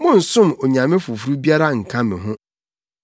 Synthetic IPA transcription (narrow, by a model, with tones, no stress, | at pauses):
mʊ̃˦n̩˨sʊ̃˦mo˨ɲã˨mɪ̃˦fu˨fu˨ɾu˦bi˦a˦ɾa˦ŋ̩˨kʰã˦mɪ̃˨ɦʊ̃˦